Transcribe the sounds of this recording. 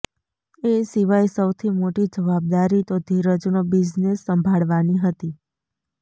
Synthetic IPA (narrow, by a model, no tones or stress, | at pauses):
esiʋajsəwt̪ʰimoʈid͡ʒəʋab̚d̪aɾit̪od̪ʱiɾəd͡ʒunobid͡ʒnesːəmbʱaɭʋaniɦət̪i